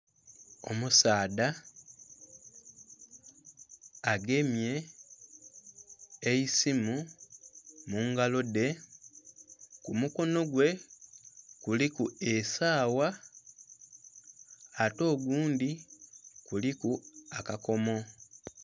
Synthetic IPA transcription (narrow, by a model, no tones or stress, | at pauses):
o̞̰musaːda | ɡe̞mje̞ | isimu | muŋɡalo̞de̞ | kumuko̞no̞ɡwe̞ | kulikuesaːwa | to̞ːɡuːndi | kulikuakako̞mo̞